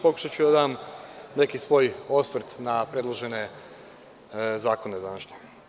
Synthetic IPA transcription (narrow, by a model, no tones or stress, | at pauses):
po̞ku̥ʃat͡ɕud̪ad̪aːmne̞kisʋo̞ːjo̞sʋɾ̩t̪napɾe̞d̪lˠoʒe̞ne̞ | zaːko̞ne̞d̪anaʃɲe